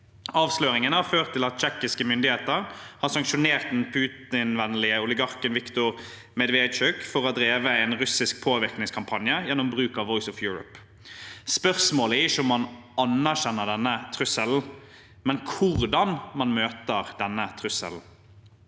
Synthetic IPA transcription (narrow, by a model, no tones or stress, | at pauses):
ɑːʋsløːɾɪŋənəhɑɾføːʁt̪ʰːɪlɑt̪̚t͡ʃɛkɪskəmʏnd̪ɪheːt̪əɾhɑʁsɑŋkʃʊneːʁt̪̚d̪ɛnpʰʉːt̪ɪnʋɛnːlɪəʊlɪɡɑʁkənʋɪkt̪ʊɾ | mɛd̪ʋeːd̪t͡ʃœkfɔʁɔd̪ɾeːʋəɛnʁʉsɪsk̚pʰoːʋɪʁknɪŋskʰɑmpʰɑnjəjɛnːʊmbʁʉːkɑʋɔʏsɔfjuːɾʊ̰p | spœʁsmoːləæɪʃʊmɑn | ɑnːæʁʃɛnːəʁɖ̪ɛnːət̪ʰʁʉsəln̩ | mɛnkʰʊʁd̪ɑnmɑnmøːt̪əɾd̪ɛnːət̪ʰʁʉsə̰ln̩